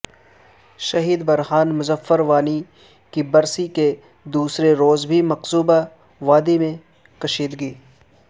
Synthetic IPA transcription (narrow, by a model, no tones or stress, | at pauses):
ʃɐɦiːd̪bɐɾɦaːnmʊzəfːəɾʋaːni | kibɐɾsike | d̪uːsɾeɾoːzbʱimɐqsuːba | ʋaːd̪emẽ | kɐʃiːd̪ɡiː